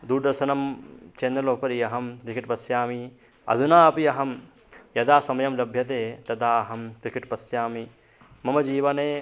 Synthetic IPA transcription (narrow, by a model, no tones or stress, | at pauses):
d̪uɾd̪ɐɾʃɐnɐmt͡ʃeːnd̪ɾɐloːpɐɾijɐɦɐmt̪ɾikiʈpɐsjaːmi | ɐ̰d̪ʱunaːɐpiɐɦɐm | jɐd̪aːsɐmɐjɐmlɐbʱjɐt̪̬eːt̪ɐd̪aːɐɦɐmt̪ɾikiʈpɐsjaːmi | mɐmɐd͡ʒiːʋɐneː